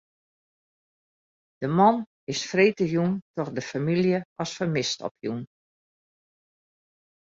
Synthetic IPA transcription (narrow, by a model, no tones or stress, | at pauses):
d̥əmɔn | ɪsfreːtəjuntɔxdəfamiljəɔsfərmɪstɔ̰pʰjun